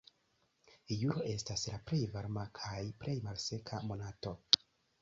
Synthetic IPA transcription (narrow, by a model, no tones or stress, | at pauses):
juɾo̞ʔe̞staslapɾe̞jvaɾmakʰajplɾe̞jmalse̞kʰamo̞nato̞